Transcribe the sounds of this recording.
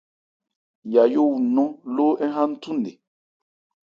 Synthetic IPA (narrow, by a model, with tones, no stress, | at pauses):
ja˨jo˦wu˨nɔ̃˦loː˦ʔɛ˦ɦã˦n̩˦tu˦n˨de˨